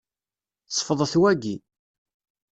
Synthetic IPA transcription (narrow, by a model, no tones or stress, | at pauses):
ə̥fəðˤθwæɡi